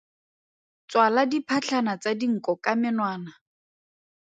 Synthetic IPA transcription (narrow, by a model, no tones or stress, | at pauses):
t͡swaladipʰat͡ɬʰanat͡sadiŋ̩kʼɔkamɪnwaːna